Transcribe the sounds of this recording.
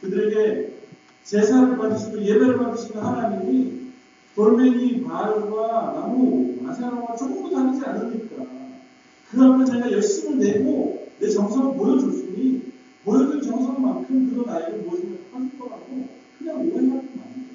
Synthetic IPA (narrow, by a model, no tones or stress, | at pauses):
kɯdɯɾe̞ɡe̞ | t͡ɕe̞sʰaɾɾɯɭpadɯɕʰinɯje̞beɾɯɭpadɯɕʰinɯnhanaɲimi | pʌɭmeŋimaɭɡwanamomasʰaɾaŋɡat͡ɕʰoɡudotanid͡ʑianɯmɲik͈a | kɯamʌnt͡ɕeɡajʌɭs͈ɯmɯnne̞ɡone̞t͡ɕʌŋsʰʌɡɯɭmojʌd͡ʑoɭs͈uɲi | mojʌd͡ʑɯnt͡ɕʌŋs̬ʰʌŋmankʰɯmkɯɾʌnaiɾɯɭmuʌɕʰimapʰasʰiɡʌɾaɡo | kɯɲaŋoesʰakna̰ɲio